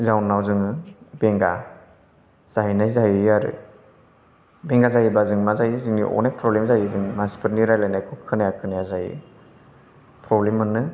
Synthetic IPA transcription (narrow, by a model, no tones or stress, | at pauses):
zawnːawzɯŋɯbeŋɡa | z̥aɦinajzajiaɾɯ̰ | beŋɡazajibazɯŋmazajizɯŋnḭʔɔ̰najpʰɾɔblemzajizɯŋmansi̥pʰɯɾniɾajlajnajkʰɔkʰɯnajakʰɯnajazajḭ | pɾɔblemːɯnːɯ